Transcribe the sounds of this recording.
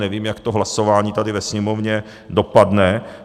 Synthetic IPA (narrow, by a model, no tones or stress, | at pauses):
nɛviːmjakt̪oɦlasovaːɲiːt̪adɪvɛsɲɛmovɲɛ | dopadnɛ